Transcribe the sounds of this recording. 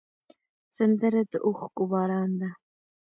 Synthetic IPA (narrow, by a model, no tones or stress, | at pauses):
sand̪əɾad̪əʔoxɡʊbɑɾɑnd̪a